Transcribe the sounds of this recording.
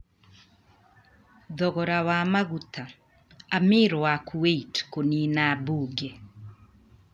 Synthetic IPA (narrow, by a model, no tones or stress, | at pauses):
ðɔɣɔɾawamaɣuta | amɪːɾwakuweitkoniːnabuːɡɛ